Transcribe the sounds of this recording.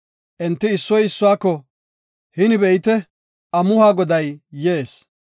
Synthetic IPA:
ʔɛnt̪ːɪːsːɔjɪsːʊwaːkːɔ | hɪnɪbɛjɪt̪ɛ | ʔɐmʊhaːɡɔd̪ɐjːeːs

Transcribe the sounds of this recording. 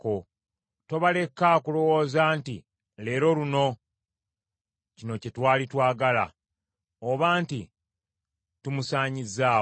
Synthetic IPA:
ko | to̞βale̞kːakulo̞wo̞ːzaːnti | le̞ːɾo̞luno̞ | cino̞cetwaːlitwaːɡala̰ | oβaːnti | tumusaːɲizaː

